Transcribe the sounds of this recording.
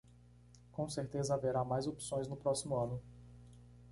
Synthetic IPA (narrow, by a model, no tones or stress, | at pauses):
kõw̃seɾt̪ezɐaveɾamajzopi̥sõj̃znʊpɾɔsimʊɐ̃nʊ